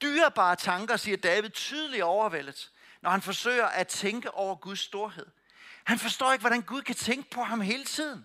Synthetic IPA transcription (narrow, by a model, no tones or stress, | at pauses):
d̥yːɐb̥ɑ̰̈ːt͡sʰɑ̈ŋɡ̥ɐsiːɐd̥ɛːʋið̞ˠt͡sʰyːð̞ˠəliɒʊɐʋel̰ð̩ˠ | nɒhænfɒ̽sø̰ːɪɐʔæt͡sʰeŋɡ̥əʔɒʊɐɡ̥uð̞ˠsːd̥o̝ɐɦe̝ð̞̰ˠ | hænfɒsd̥ɔ̰ːe̝ɡ̥ʋɒɾ̥ænɡ̥uð̞ˠkʰæt͡sʰeŋɡ̥əpʰɒ̽ɦɑ̈mɦe̝ːlət͡sʰið̞̰ˠn̩